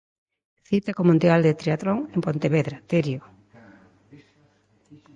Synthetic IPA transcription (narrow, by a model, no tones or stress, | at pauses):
θit̪akomũnd̪jald̪et̪ɾeat̪ɾoŋempont̪eβeðɾat̪eɾjo